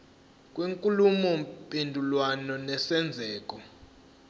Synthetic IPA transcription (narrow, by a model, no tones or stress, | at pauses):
kʼwiŋkʼulumɔmpʼendʱulwanɔnɛsɛnd͡zʱɛːk̬ʼɔ